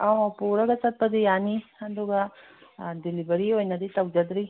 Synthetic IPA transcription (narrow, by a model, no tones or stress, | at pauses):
aapuːɾɐɡɐsɐt̪̚pɐd̪ijaːniɐnd̪uɡa | d̪ilibɐɾiojnɐd̪it̪ɐwd͡ʒɐd̪ɾi